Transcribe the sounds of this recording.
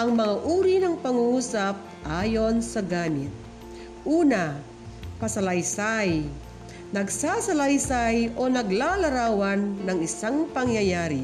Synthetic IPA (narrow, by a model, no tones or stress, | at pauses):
ʔɐŋmɐŋaʔuːɾinɐŋpɐŋuːsap̚ʔaːjonsɐɡaːmɪt̪̚ | ʔuːna | pɐsɐlɐjsaj | nɐɡsaːsɐlajsajʔonɐɡlalɐɾaːwanːɐŋɪsaŋpɐŋjajaːɾi